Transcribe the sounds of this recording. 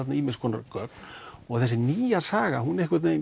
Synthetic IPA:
at̪naiːmɪnskʰɔːna̰ɾkœknɔɣθɛsːɪniːjasaːɣaɦunɛhkvat̪na

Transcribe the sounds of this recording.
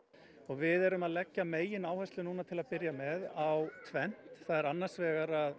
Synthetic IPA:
ɔɣvɪðɛɾʏmaðlɛcːameːjɪnaːwhɛst̪lʏnuːnat̪ʰɪlaðpɪɾjamɛðawt̪ʰvɛn̥t̪θaðɛɾanːan̥svɛːɣaɾað

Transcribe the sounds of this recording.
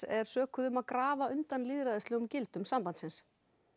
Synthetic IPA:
ɛɾ̥sœːkʰʏðʏmaðkɾaːvaʏnt̪anliːðɾaðɪst̪ɪɣʏmcɪlt̪ʏmsampant̪sɪns

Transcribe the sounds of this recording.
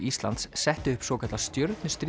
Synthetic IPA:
ist̪la̰nt̪ssɛht̪ɪʏhpsɔːkʰat̪last̪jœɾt̪nʏst̪ɾ

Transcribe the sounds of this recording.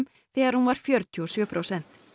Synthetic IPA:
m | θɪːðaɾhunvaɾ̥fjœɾt̪ʰʏɔsjœːpʰɾowsɛn̥t̪

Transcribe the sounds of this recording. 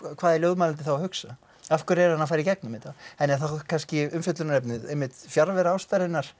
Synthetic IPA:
kʰvaːðɛɾloːwðmaːlant̪ɪ̥θawahʏksa | afkʏɾɛɾhanafaːɾicɛk̚nʏmɪt̪aɛnːɛθakʰanscɪʏmfjʏt̪lʏnaɾɛpnɪðejmːɪt̪fjaɾvɛɾaːwst̪aɾɪnːaɾ̥

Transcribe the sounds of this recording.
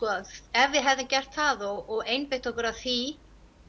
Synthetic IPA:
kɔðɛvjɪɦɛvðɪncɛr̥t̪θaðɔɣɔɣejnpɪht̪ɔhkʏɾaðθi

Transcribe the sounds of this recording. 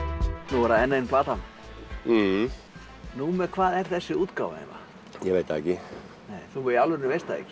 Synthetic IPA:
nuvɛɾaɛnːaenplaːt̪an̩ | nuːmɛkʰvaːðɛɾ̥θɛsːɪuːt̪kaːwva̰ḛna̰ | jɛveːjt̪aɛcɪ | nejθuvɛawlvʏɾnɪvejst̪aḛcɪ̥

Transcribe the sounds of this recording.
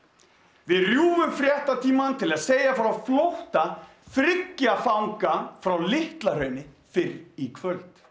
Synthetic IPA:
vɪðrjuːvʏmfɾjɛht̪at̪ʰiːmant̪ʰɪlaðseːjafɾawflowht̪a | θɾɪcːafawŋkafɾawlɪht̪lar̥œɥnɪ | fɪɾikʰvœlt̪

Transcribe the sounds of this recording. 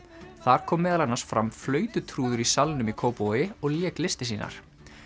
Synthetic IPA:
θaɾ̥kʰɔːmːɛːðalanːaɾ̥sfɾamflœːɥt̪ʏt̪ʰɾuːðʏɾisalnʏmikʰoːwpowjɪɔɣljɛːklɪst̪ɪsiːna̰ɾ̥

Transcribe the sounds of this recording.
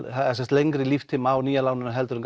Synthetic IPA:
aɛsɛst̪lejŋkɾɪlift̪ʰɪmaːwniːjalaːwnʏnaɦɛlt̪ʏɾʏŋk

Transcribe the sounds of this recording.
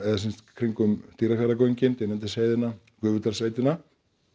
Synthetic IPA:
ɛðasinst̪kʰɾiŋkʏmt̪iːɾakɛɾakoɥjɲcɪnt̪ɪnɛnt̪ɪ̥seːjðɪna | kʏːvʏt̪ḁsaːjt̪ɪna

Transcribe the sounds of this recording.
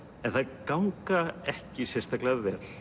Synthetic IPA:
ɛnθaðkawŋkaɛhcɪsjɛnst̪aklaðvɛːl̥

